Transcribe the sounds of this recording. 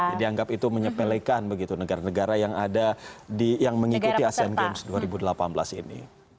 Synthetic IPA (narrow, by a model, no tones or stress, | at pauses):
d͡ʒadiaŋɡapit̪uməɲəpɛlɛkanbəɡit̪unəɡaɾanəɡaɾajaŋadadijaŋməŋikut̪iasianɡɛmsduaɾibudəlapanbəla̰sinḭ